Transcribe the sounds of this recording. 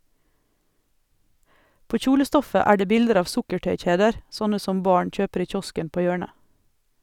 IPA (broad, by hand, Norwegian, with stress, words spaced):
ˈpoː ˈçuːləˌstɔfə ˈæː ˈɖeː ˈbɪldəɾ ˈɑːʋ ˈsʊkəˌʈœʏˌc͡çeːdəɾ ˈsɔnə ˈsɔm ˈbɑːɳ ˈc͡çøːpəɾ ˈiː ˈc͡çɔskən ˈpoː ˈjøːɳə